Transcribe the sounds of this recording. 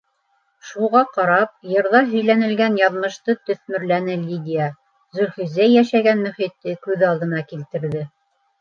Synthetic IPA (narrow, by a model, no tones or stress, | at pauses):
ʃuʁɑqɑɾɑp̚jɤ̆ɾðɑɦɵ̆jlænɘ̆lɡænjɑðmɤ̆ʃt̪ɤt̪ɵ̆θmɵ̆ɾlænɘlʲid̪ʲɪjə | zɵ̆lʲχizæjæʃæɡænmɵ̆χit̪ːɘkʉðɑlˠd̪ɤ̆nɑkilt̪ɘ̆ɾðɘ